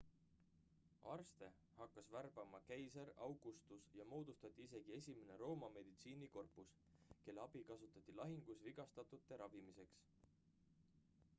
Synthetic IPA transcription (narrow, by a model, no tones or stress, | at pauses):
ɑrst̪e̞ | hɑkːɑsværb̥ɑmɑkejseɾɑwɡ̥ust̪usjɑmo̞ːd̪̥ust̪ɑt̪ʲːˑiis̬e̞ɡ̥ie̞sʲime̞ne̞ɾo̞ːmɑme̞d̪̥it̪siːniko̞rpːˑus | ke̞lːeɑb̥ikɑsut̪ːˑɑt̪ˑːilɑɦiŋɡ̥usviɡ̥ɑst̪ɑt̪ˑut̪ːe̞ɾʔɑvimise̞ks